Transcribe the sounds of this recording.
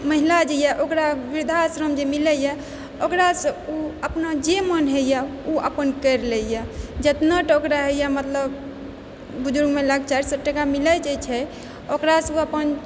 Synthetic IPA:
məɦilad͡ʒejaʔokɾaʋiɾd̪ʱasɾəmd͡ʒemiləja | okɾasə̃uəpnad͡ʒemənɦejauə̰pənkəɾlejad͡ʒət̪nəʈokɾaɦejamət̪ləb | bud͡ʒuɾɡmelaɡ̚t͡ʃaɾisəʈːəkamilət͡ʃɛt͡ʃʰɛ | okɾasuəpən

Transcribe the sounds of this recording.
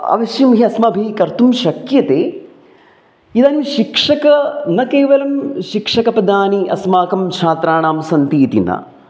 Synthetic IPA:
ɐ̰ʋɐʃjɐmɦiɐsmɐːbʱikɐɾt̪umʃɐkjɐt̪eː | id̪aːniʃikʂɐkɐnɐkeːʋɐlɐmʃikʂɐkɐpɐd̪aːniʔɐ̰smaːkɐmt͡ʃʰaːt̪ɾaːɳaːmsɐnt̪iːt̪ḭnɐ̰

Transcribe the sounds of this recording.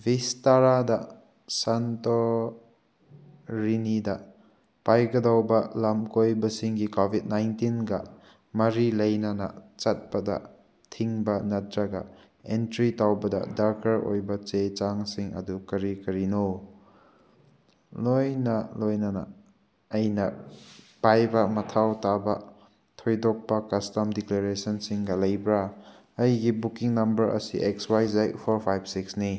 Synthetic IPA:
bistaɾadɐ | santo | ɾinidɐ | pajɡɐdawbɐlamkojbɐsiŋɡikobʱit̚najntinɡɐ | mɐɾilɐjnɐnɐ̰t͡ʃɐt̚pɐdɐ̰ | tʰiŋbɐnɐdɾaɡɐ̰ | entɾitawbɐdɐ̰daɾkɐɾo̰jbɐt͡ʃet͡ʃaŋsiŋɐ̰dukɐɾikɐɾinow | lojnɐlojnɐnɐ̰ | ɐjnɐ | pajbɐmɐtʰawtabɐ | tʰojdɔk̚pɐkɐstɐmdikleɾesɐnsiŋɡɐlɐjbɾa | ɐjɡibukiŋnɐmbɐɾʔɐ̰sḭʔekswajzajpʰoɾpʰajbsiksni

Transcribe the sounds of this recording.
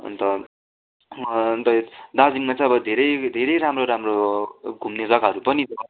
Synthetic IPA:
ʌ̰nt̪ʌ | t̪ʌd̪ad͡ziŋmat͡sʌ̃ʌbʌd̪ʱeɾʌjd̪ʱeɾʌjɾamroɾamroɡʱumnesakaɦʌɾupʌnid͡zʌba

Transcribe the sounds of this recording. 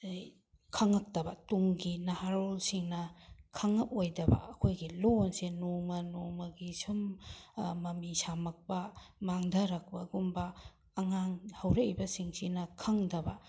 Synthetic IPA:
kʰɐŋɐk̚tɐbɐtuŋɡinahaɾolsiŋnɐkʰɐŋɐp̚ojdɐbɐ̰ʔɐkʰojɡilonsenomɐnomɐɡisum | mɐmisamɐk̚pɐmaŋdɐɾɐk̚pɐɡumbɐː | ŋaŋhɐwɾeibɐsiŋsinɐkʰɐŋdɐbɐ

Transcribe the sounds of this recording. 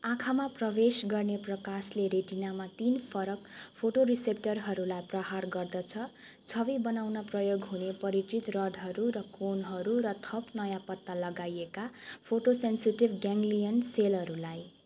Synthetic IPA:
ãkʰamaprʌbesɡʌrneprʌkasleɾeʈinamat̪inpʰʌɾʌkpʰoʈoɾisep̚ʈʌrɦʌɾulajprʌɦarɡʌrd̪ʌt͡sʰʌ | t͡sʰʌbibʌnawnʌprʌjoɡɦunepʌɾiʈ̪rit̪rʌɖɦʌɾuɾʌkonɦʌɾuɾʌt̪ʰʌpnʌjãpʌt̪ːalʌɡajekapʰoʈosensiʈibɡaŋɡlijʌnselʌɾulaj

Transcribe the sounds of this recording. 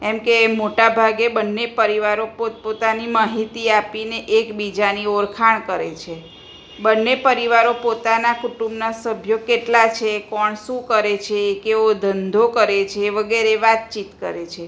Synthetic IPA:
ɛmkemoʈabʱaɡebənːepəɾiʋaɾopopot̪animaɦit̪iapineʔekbid͡ʒanioɾkʰaɳ̃kəɾet͡ʃʰe | bənːepəɾiʋaɾopot̪anakuʈumbnasəbʱjokeʈlat͡ʃʰekɔɳʃũkəɾet͡ʃʰeːkeod̪ʱənd̪ʱokəɾet͡ʃʰeːʋəɡeɾeʋat̪̚t͡ʃit̪kəɾet͡ʃʰe

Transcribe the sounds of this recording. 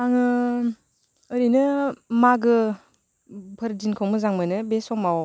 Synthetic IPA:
aŋɯ | ɾinɯmaɡɯ | pʰɯɾdinkʰɯwmɯzaŋmɯnɯbesɔŋmaw

